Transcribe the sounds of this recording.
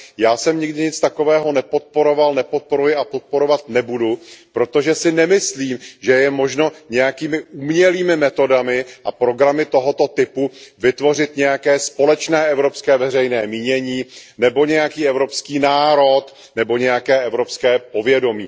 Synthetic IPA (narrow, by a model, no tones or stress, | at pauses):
jaːsɛmɲɪɡdɪɲɪt͡st̪ako̞vɛːɦo̞nɛpo̞t̪̚po̞ɾo̞valnɛpo̞t̪̚po̞ɾujɪapo̞t̪̚po̞ɾo̞vat̪nɛbudupɾo̞t̪o̞ʒɛsɪnɛmɪsliːmʒɛjɛmo̞ʒno̞ɲɛjakiːmɪʔuːmɲɛliːmɪmɛt̪o̞damɪʔapɾo̞ɡɾamɪt̪o̞ɦo̞t̪o̞t̪ɪpuvɪt̪vo̞r̝ɪt̪ɲɛjakɛːspo̞lɛt͡ʃnɛːʔɛvɾo̞pskɛːvɛr̝ɛjnɛːmiːɲɛɲiːnɛbo̞ɲɛjakiːɛvɾo̞pskiːnaːɾo̞t̪ | nɛbo̞ɲɛjakɛːʔɛvɾo̞pskɛːpo̞vjɛdo̞miː